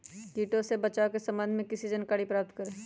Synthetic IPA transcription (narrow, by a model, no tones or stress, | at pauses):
kiːʈõsebɐt͡ʃaːokesɐ̃mbə̃nd̪ʱmẽkɪsid͡ʒɐnkaːɽipɾaːp̚t̪kəɾẽː